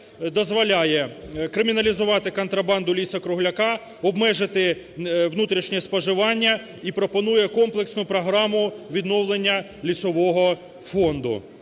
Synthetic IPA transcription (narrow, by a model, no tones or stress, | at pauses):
d̪ɔzʋɔlʲajɛkɾɪmʲinɐlʲizʊʋɑt̪ɪkɔnt̪ɾɐbɑnd̪ʊlʲisɐkɾʊɦlʲɐkɑ | ɔbmɛʒɪt̪ɪ | ʋnut̪ɾʲiʃnʲɛspɔʒɪʋɑnʲːɐ | ipɾɔpɔnujɛkɔmplˠeksnʊpɾɔɦɾɑmʊʋʲid̪nɔwlˠenʲːɐ | lʲisɔʋɔɦɔ | fɔnd̪ʊ̰